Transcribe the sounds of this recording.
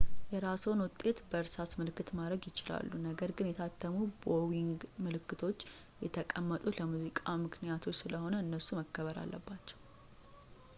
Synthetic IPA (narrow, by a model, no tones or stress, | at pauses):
jɛɾaso̞nwʊt̪ʼːe̞t̪bəɨɾsat̪mɨlɨkːɨt̪mad̪ɾəɡjɪt͡ʃɪla̰lːunəɡəɾɡɨnjɛt̪ʰat̪ʰːəmubowiŋɡmɨlɨkːɨt̪ʰo̞t͡ʃː | jɛt̪ʰəkʼəmːət̪ʼuləmuzikʼamɨkʰnijat̪ʰo̞t͡ʃːsɨləho̞nəɨnːəsuməkːəβəɾa̰lːʔə̰bːat͡ʃːɛ̥w